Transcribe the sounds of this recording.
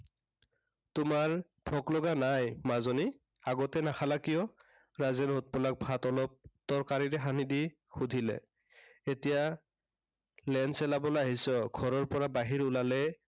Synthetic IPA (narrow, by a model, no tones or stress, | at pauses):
tʊmaɹ | b̥ʱɔklɔɡanajmazɔni | aɡɔtɛnaxʰalakijɔ | ɹazɛnɦot̚pɔlak̚bʱatɔlɔp̚tɔɹkaɹiɹɛɦanidi | xudʱilɛ̰ | etija | lɛnsɛlabɔloaɦisɔɡʱɔɹɔɹpɔɹabaɦiɹulalɛ